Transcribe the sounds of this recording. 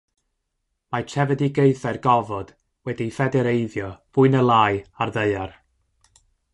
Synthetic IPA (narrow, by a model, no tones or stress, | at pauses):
mat͡ʃʰɛvɛdiɡejθɛrɡɔvɔd̥ | wɛdifɛdɛɾejðjɔb̥ʊɨnəlˠaːɨarðəɨar